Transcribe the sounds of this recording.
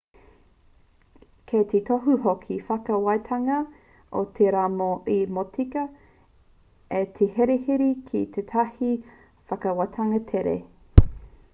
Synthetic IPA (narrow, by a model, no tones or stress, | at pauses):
kʰet̪ʰetʰoɦuɦokʰifɐkɐwajt̪ʰɐŋɐ | ot̪ʰeɾaːmoʔimotʰikɐ | et̪ʰeheɾehiɾikʰit̪ʰet̪ʰɐhi | fɐkɐwatʰɐŋɐt̪ʰeɾḛ